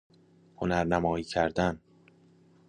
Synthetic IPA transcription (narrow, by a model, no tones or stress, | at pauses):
ho̞næɾnæmɒːiːcʰæɾd̪æn